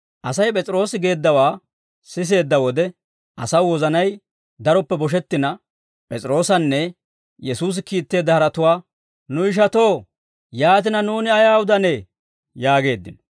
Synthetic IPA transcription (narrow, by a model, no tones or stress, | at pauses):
ʔɐsɐjpʼɛt͡sʼɾo̞ːsɪɡe̞ːd̪ːɐwaː | sɪs̬e̞ːd̪ːɐwɔd̪ɛ | ʔɐsɐwwɔzɐnɐj | d̪ɐɾɔpːɛbɔʃ̬ɛt̪ːɪnɐ | pʼɛt͡sʼɪɾo̞ːsɐnːɛ | jɛsuːs̬ɪkiːt̪ːe̞ːd̪ːɐhɐɾɐt̪ʊwaː | nʊɪʃ̬ɐt̪o̞ː | jaːt̪̬ɪnɐnuːnɪɐjaːwʊd̪ɐne | jaːɡe̞ːd̪ːɪ̰nɔ